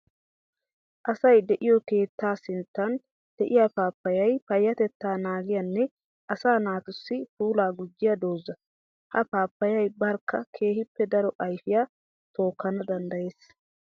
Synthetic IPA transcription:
ʔɐsɐjd̪ɛʔɪjɔke̞ːt̪ːaːsɪnt̪ːɐn | d̪̥ɛʔɪjapaːpːɐjɐjpɐjːɐt̪ɛt̪ːaːnaːɡɪjɐnːɛ | ʔɐsaːnaːt̪ʊsːɪpuːlaːɡʊd͡ʒːɪjɐd̪o̞ːzːɐ | hɐpaːpːɐjɐjbɐɾkʰːɐkʰe̞ːhɪpːɛd̪ɐɾɔʔɐjfɪjaː | t̪o̞ːkːɐnɐd̪ɐnd̪ɐje̞ːs

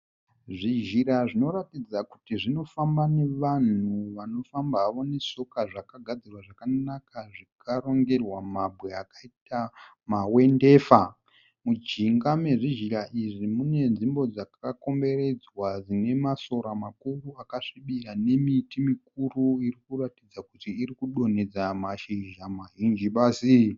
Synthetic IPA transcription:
ʐiʒiɾaʐino̞ɾatid͡zaku̥tiʐino̞fambane̞ʋan̤uʋano̞fambaʋo̞ne̞so̞kaʐakaɡʱad͡zirwaʐakanakaʐikaɾo̞ŋɡe̞rwamabʱwe̞akaita | mawe̞nde̞ːfa | mud͡ʒiŋɡame̞ʐiʒiɾaʔiʐimune̞nʐimbo̞d͡zakako̞mbe̞re̞d͡zwad͡zine̞maso̞ɾamakuruakaʂiɓiɾane̞mitimik̚uruirikuratid͡zakutiːrikuɗo̞ne̞d͡zamaʃiʒamaɦind͡ʒiɓaːsi

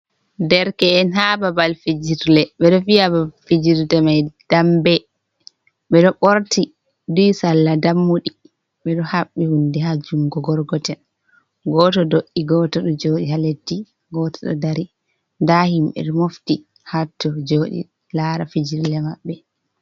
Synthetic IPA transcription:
dɛɾkɛːnɦababalfid͡ʒiɾlɛɓɛɗɔfijabafid͡ʒiɾdɛmajd̥ambɛ | ɓɛɗɔɓoɾti | dujsalːadamːuɗi | ɓɛɗɔhaɓːihundɛɦad͡ʒumɡɔɡɔɾɡɔtɛn | ɡɔtɔdoʔːiɡɔtɔɗɔd͡ʒoːɗihaletːi | ɡɔtɔ̥ɗɔ̰daɾi | ndahimɓɛ̰ɗɔmofti | hatːɔd͡ʒoːɗḭ | laɾafid͡ʒiɾlɛmaɓːɛ

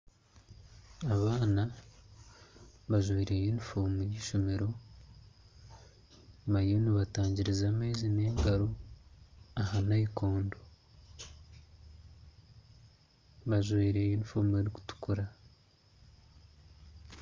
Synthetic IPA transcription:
aβaːna | βaʒweːɾejinfoːmuiɾiʃomeɾo̞ | maioniβataːɲɟiɾizameːzineːŋɡaɾo | ahanaiko̞ːndo | βaʒweːɾejiːnfuːmueɾiku̥tu̥kuɾa

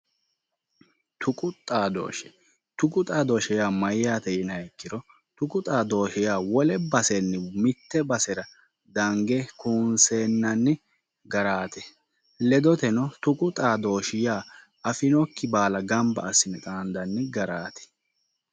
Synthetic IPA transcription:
t̪ʊkʼʊt̪ʼːaːd̪o̰ːʃɛ̥ | t̪ʊkʼʊt̪ʼaːd̪oːʃɛjaːmɐjjaːt̪ɛʔɪnɐɛkːɪɾɔ | t̪ʊkʼʊt̪ʼaːd̪o̞ːʃɛjaːwɔlɛbɐsɛnːɛmɪt̪ːɛbɐsɛɾɐ | d̪ɐŋɡɛkuːnseːnːɐnːɛ | ɡɐɾaːt̪ɛ | lɛd̪ɔt̪ɛnɔt̪ʊkʼʊt̪ʼaːd̪o̞ːʃɪjaː | ɐfɪnɔkːɪbaːlɐɡɐmbɐ̰ːsːɪnɛt̪ʼaːnd̪ɐnːɛɡɐɾaːt̪ɛ̥

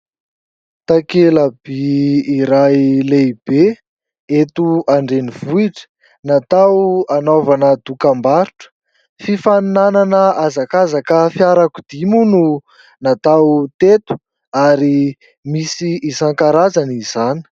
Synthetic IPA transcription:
t̪akeləb̥iiɾajleb̥e | et̪uaɳɖ͡ʐeniv̥uiʈ͡ʂə̥ | nat̪awanovanəd̪ukambaɾuʈ͡ʂə̥ | fifannananəazakazakəfjaɾakud̪imunu | nat̪awt̪et̪u̥ | aɾi | misiːsaŋkaɾazaniz̥ani̥

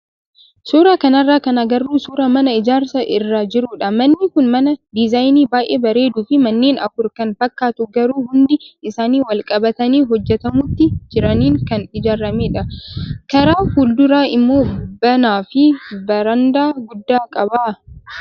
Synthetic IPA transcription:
suːɾaːkɐnɐrːaːkɐnɐɡɐrːuːsuːɾɐmɐnɐɪd͡ʒaːɾsɐʔɪrːaːd͡ʒɪɾuːᶑɐmɐnːɪkʊnmɐnɐd̪ɪzajniːbaːʔeːbɐɾe̞ːd̪uːfɪmɐnːeːnʔɐfʊɾkɐnfɐkːaːt̪ʊɡɐɾuːhʊnd̪ɪɪsaːniːwɐlkʼɐbɐt̪ɐniːɦɔd͡ʒːɛt̪ɐmʊt̪ːɪd͡ʒɪɾɐniːŋkɐnɪd͡ʒaːɾːɐmeːᶑɐkɐɾaːhuːld̪ʊɾaːɪmːo̞ːbɐnaːfɪbɐɾɐnd̪aːɡʊd̪ːaːkʼɐbaː

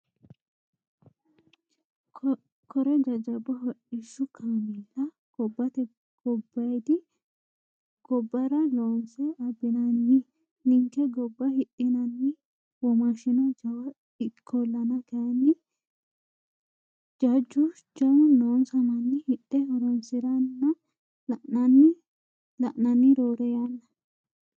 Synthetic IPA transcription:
kʰɔɾɛd͡ʒɐd͡ʒɐbɐɦɔᶑɪʃːʊkʰamɪlɐ | ɡ̥ɔbːɐt̪ɛ | ɡ̥ɔbːɐjd̪ɪ | ɡ̥ɔbːɐɾɐloːnsɛɐbːɪnɐnːɪ | nɪŋkɛɡɔbːɐhɪtʼːɪnɐnːɪ | wɔmaʃɪnɔd͡ʒɐwɐ | ɪkʰːɔlːɐnɐkɐjɐnːɪ | d͡ʒɐd͡ʒːʊ | d͡ʒɐwʊnoːnsɐmɐnːɪhɪt̪ːɛɔɾɔnsɪɾɐnːɐ | ʔnɐnːɪ | lɐʔnɐnːɪɾoːɾɛjɐnːɐ

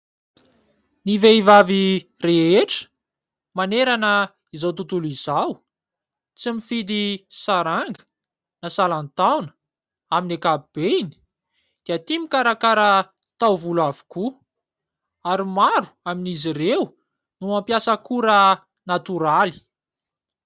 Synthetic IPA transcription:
niveivavi | reeʈ͡ʂə̥ | maneɾanə | izat̪ut̪ulizaw | t͡simifid̪isaɾaŋɡə̥ | nasalant̪awnə̥ | aminekabib̥eini̥ | d̪̥iət̪imikaɾakaɾə | t̪awvulavu̥ku | aɾimaɾu̥aminizirew | nuampjasəkuɾə | nat̪uɾali̥

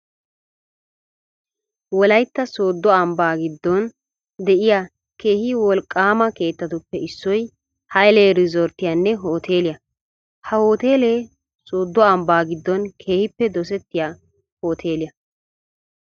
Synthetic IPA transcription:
wɔlɐjt̪ːɐso̞ːd̪ːɔɐmbaːɡɪd̪ːɔn | d̪ɛʔɪjaː | ke̞ːhɪwɔlkʼːaːmɐke̞ːt̪ːɐt̪ʊpːɛɪsːɔj | hɐjleːɾɪzɔɾt̪ːɪjanːɛɦo̞ːt̪ʰe̞ːlɪjɐ | hɐhoːt̪eːleː | soːd̪ːɔɐmbaːɡɪd̪ːɔnkʰe̞ːhɪpːɛd̪ɔs̬ɛt̪ːɪjaː | ho̞ːt̪ʰe̞ːlɪjɐ

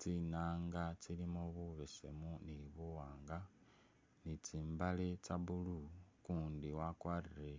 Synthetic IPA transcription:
t͡sinaːŋɡat͡silimoβuβesḛmuniβuwaːŋɡa | nit͡siːmbalet͡saβulukuːndiwakwarire

